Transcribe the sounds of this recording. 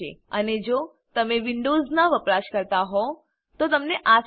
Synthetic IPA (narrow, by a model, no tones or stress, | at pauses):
ḛəned͡ʒo | t̪əmeʋɪɳɖoznaʋəpɾaʃkəɾt̪aɦɔ | t̪ot̪əmneʔa